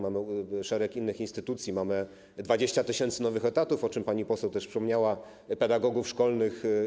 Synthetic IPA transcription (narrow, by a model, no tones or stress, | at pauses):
mamɘʂɛɾɛkinːɘxinst̪ɘt̪ut̪sʲjimamɘ | d̪vad͡ʑeɕt͡ɕat̪ɘɕɛnt̪sɘnɔvɘxɛt̪at̪ufɔt͡ʂɘmpaɲipɔsɛwt̪ɛʂfʂɘ̥pɔmɲawa | pɛd̪aɡɔɡufʂkɔlnɘx